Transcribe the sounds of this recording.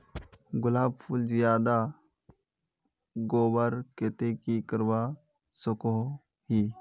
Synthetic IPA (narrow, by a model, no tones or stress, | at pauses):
ɡʊlaːb̚pʰulzijaːd̪a | ɡoːwəɾket̪ekikəɾwaː | sʊko | hiː